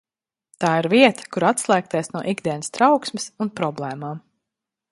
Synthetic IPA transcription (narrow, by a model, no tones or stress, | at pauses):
t̪aːiɾviɛt̪ḁkuɾat̪slˠæːk̚t̪iɛsnuɔʔiɡd̪iɛnəst̪ɾawksmɪsunpɾɔblˠɛːmaːm